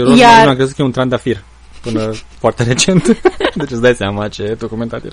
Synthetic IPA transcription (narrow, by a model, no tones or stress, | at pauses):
ɾojamakɾe̞zut̪kəjeunt̪ɾand̪afir | pɨnəfoart̪e̞ɾe̞t͡ʃe̞nt̪d̪et͡ʃeəsd̪ajseamat͡ʃed̪okument̪a̰t̪jḛl